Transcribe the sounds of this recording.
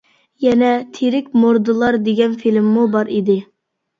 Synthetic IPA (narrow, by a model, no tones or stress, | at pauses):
jɛnɛt̪ʰeɾɪkʲmoɾd̪ɨlˠɑɾd̪eɡʲɛnfilmːubɑɾid̪ɪ